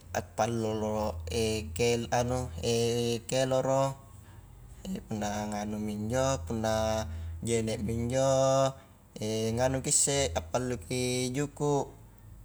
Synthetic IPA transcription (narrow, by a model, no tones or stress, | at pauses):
a̰pːalːuloekelanuekeloɾo | epunːaŋanumiɲd͡ʒopunːad͡ʒɛnɛʔmiɲd͡ʒo | eŋanukisːɛʔapːalːukid͡ʒukuʔ